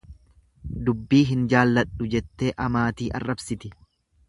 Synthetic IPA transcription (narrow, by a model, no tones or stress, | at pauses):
d̪ʊbːiːɦɪnd͡ʒaːlːɐᶑʊd͡ʒɛt̪ːe̞ːʔɐmaːt̪iːʔɐ̰rːɐbsɪt̪ɪ